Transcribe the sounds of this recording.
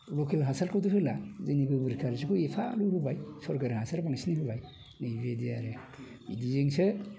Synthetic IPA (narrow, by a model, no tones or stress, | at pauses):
lɔkelɦasalkʰɔduhɯlazɯnibɯbɯɾkʰaɾsɯkuepʰaluhɯbajsɔɾkaɾhasaɾpaŋsiniɦɯbaj | nɯjbediaɾe | bḭdizeŋsɯ